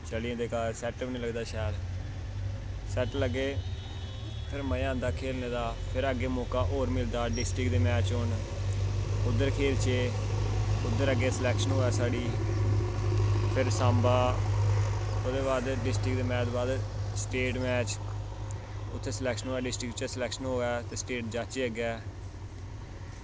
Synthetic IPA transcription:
t͡ʃəlijãːd̪eːkaːɾsɛːʈbnĩləɡd̪aːʃaːəd̪ | sɛːʈləɡːeː | pʰɪɾməjãːnd̪aːkʰeːlneːd̪aːpʰɪɾəɡːeːmɔːkaːʔoːɾmɪld̪aːɖɪsʈɾɪkd̪eːmɛːt͡ʃɦoɳ | ʊd̪ːəɾkʰeːlt͡ʃeː | ʊd̪ːəɾəɡːeːsəlɛːkʃənɦoːɛːsaːɽiː | pʰɪɾsãːmbaː | oːd̪eːbaːd̪ɖɪsʈɾɪkd̪eːmɛːd̪baːd̪sʈeːʈmɛːt͡ʃ | ʊt̪ʰːeːsəlɛːkʃənɦoːɛːɖɪsʈɾɪkt͡ʃəsəlɛːkʃənɦoːɛːt̪eːsʈeːʈ̚d͡ʒaːt͡ʃeːəɡɛː

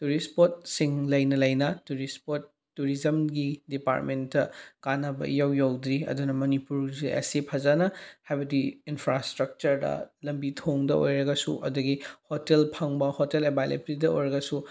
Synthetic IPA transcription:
tuɾispot̚siŋlɐjnɐlɐjnɐtuɾispotː | uɾizɐmɡidipa̰ɾtmentːɐkanɐbɐ̰jawjawd̪ɾiɐ̰dunɐmɐnipuɾziʔḛsipʰɐzanɐhajbɐdiinpʰɾastɾɐk̚t͡ʃɐɾdɐ̰lɐmbitʰoŋdɐʔo̰jɾɐɡɐsṵʔɐ̰duɡihotelpʰɐŋbɐhotelebajlḛpɾidɐojɾɐɡɐsu

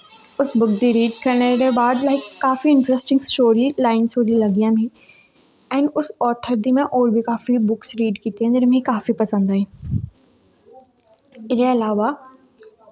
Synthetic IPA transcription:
ʊsbʊkd̪iɾiːɖkɐɾɽ̃əɾebaːd̪laːikaːfiɪ̃nʈɾɛsʈɪ̃ŋɡsʈoːɾilaːɪnsoːɾilɐɡijãmẽ | ɛ̃ːnʊsɔːt̪ʰəɾd̪imẽʔoːɾbʱikaːfibʊksɾiːɖkiːt̪iɦẽnd͡ʑɪnmẽikaːfipɐsə̃nd̪aːɦẽː | ɪɾeɐlaːʋa

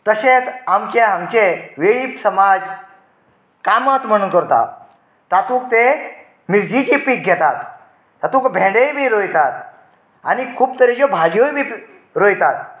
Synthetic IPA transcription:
t̪əɕet͡samt͡ɕeamt͡ɕeʋeɭiːpsəmad͡z | kamat̪m̤əɽ̃uːnkəɾt̪a̰ | t̪at̪uːk̚t̪e | miɾd͡ʑit͡ɕiːpiːk̚ɡʱʲɛt̪at̪ː | at̪ũkbʱẽɽebʱiːɾojt̪at̪̚ | a̰nikʰuːpt̪əɾed͡ʑobʱaɡjojbʱiː | ɾojt̪at̪

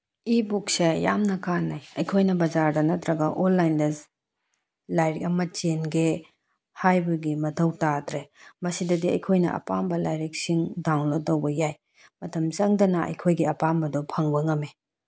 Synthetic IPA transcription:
ibuk̚seja̰mnɐkanːajɐjkʰojnɐbɐzaɾdɐnɐtɾɐɡɐʔolːajndɐ | lajɾikɐmɐt͡ʃenɡe | hajbɐɡimɐtʰɐwtatɾemɐsidɐdiɐ̰jkʰojnɐ̰ʔɐ̰pambɐlajɾek̚siŋdawŋlotɐwbɐjaj | mɐtʰɐmt͡ʃɐŋdɐnɐɐ̰jkʰojɡiɐpambɐdɔpʰɐŋbɐŋɐme

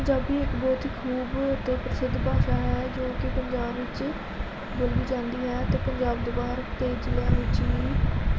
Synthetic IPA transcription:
əɲd͡ʒaːbiːɪkbɔːt̪iːkʰuːbt̪eːpɾəsɪd̪ʱːbaːʃaːɦɛːd͡ʒõːkɪpəɲd͡ʒaːbʋɪt͡ʃ | bolʋiːd͡ʒãːnd̪iːɦɛːt̪eːpəɲd͡ʒaːbd̪oːbaːɦəɾt̪eːd͡ʒilaːnɪːt͡ʃiːi

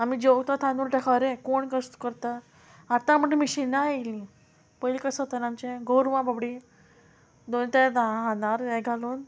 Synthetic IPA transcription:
amid͡ʑoɡt̪at̪ʰãnd̪uːɾʈɛkʰaʋɾekoɳkəst̪kəɾt̪a | at̪ãm̤əɳmiɕinaelĩ | pəjlikəsət̪ənamt͡ɕeɡoɾʋãbabɽi | d̪ont̪ad̪aɦanaɾɛɡʱaluːn

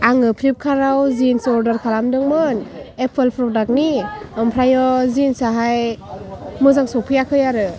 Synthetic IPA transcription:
aŋɯpʰɾip̚kʰaɾawzinsɔɾdaɾkʰalamdɯŋmɯnepʰelpʰɾɔdak̚niɔmpʰɾajɔzinsaɦaj | mɯzaŋsɔpʰɯjakʰɯjaɾɯ

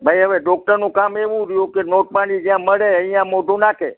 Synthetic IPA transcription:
bʱajɦəʋeɖɔk̚ʈəɾnũkameʋũɾjũkenoʈ̚panid͡ʒjãməɭeə̃ijãmoɖʱũnakʰe

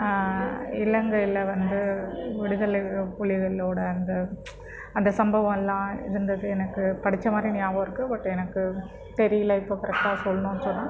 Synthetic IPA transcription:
ɪlɐŋɡɐɪlːɐʋɐnd̪ɯʋɪɽɯðɐlpʊɭɪɣɐɭoːɽɐɐnd̪ɐ | ɐnd̪ɐsɐmbɐʋɐ̃mɛlːãːɪ̰ɾɯnd̪ɐðɯɛnɐkːɯpɐɽɪt͡ʃːɐmaːd̪ɾinɪjaːʋoːɪɾɯkːɯbɐʈːɛnɐkːɯ | pɛɾɪjɐlɐɪpokɪɾɛk̚ʈaːɐsɔlːɐnõːɛnːɯsɔnːãː

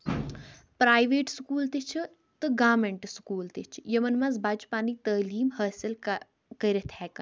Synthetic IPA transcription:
pɾaːjʋeːʈskuːlt̪et͡ʃʰ | t̪ɨɡaːmeɳʈskuːlt̪et͡ʃʰjɐmɐnmɐzbaːd͡ʒpaːnit̪əːliːmhaːsil | kɐɾet̪ʰhɛːkɐn

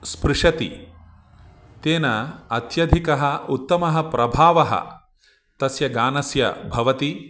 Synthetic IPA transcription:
spɾɪʂɐt̪ḭ | t̪eːnɐɐt̪jɐd̪ʱikɐɦɐut̪ːɐmɐɦɐpɾɐbʱaːʋɐɦɐ̰ | t̪ɐsjɐɡaːnɐsjɐ̰bʱɐʋɐt̪i

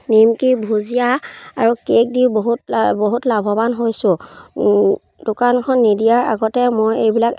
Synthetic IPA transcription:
nimkibʱuzijaaɹukek̚diwboɦutboɦutlabʱɔbanɦojsʊ̃ | dʊkankʰɔnːidijaɹa̰ɡɔtɛmojejbilak

